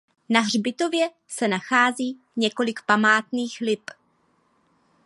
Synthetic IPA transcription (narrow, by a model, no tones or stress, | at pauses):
naɦr̝bɪt̪o̞vjɛ | sɛnaxaːziː | ɲɛko̞lɪkpamaːt̪niːxlɪp